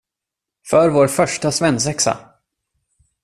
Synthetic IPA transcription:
fœɾvoːɾfœʂʈasvɛnsɛksa̰

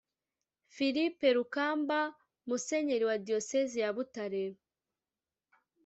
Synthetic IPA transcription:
filipe̞ɾukaːmba | muse̞ɲeɾiwadio̞sezijaβutaɾeɾ

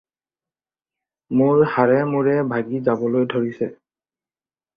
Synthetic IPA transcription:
mʊɹhaɹɛmuɹɛbʱaɡizabɔlojdʱoɹisɛ

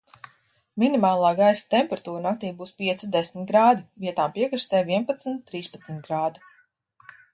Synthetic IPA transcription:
minimaːlˠaːɡajsḁt̪ɛmpɛɾat̪uːɾnak̚t̪iːbuːspiɛt̪sid̪esmit̪̚ɡɾaːd̪iviɛt̪aːmpiɛkɾist̪ɛːviɛnpat̪snt̪ːɾiːspat̪smʲt̪̚ɡɾaːd̪u

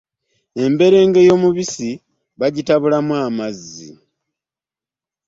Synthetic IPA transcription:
e̞mbe̞ɾe̞ːŋɡe̞jo̞muβisi | βaɟitaβulamwaːmazːḭ

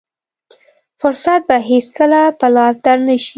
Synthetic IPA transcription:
fʊɾsat̪̚baɦeskəlapəlɑsd̪aɾnaʃi

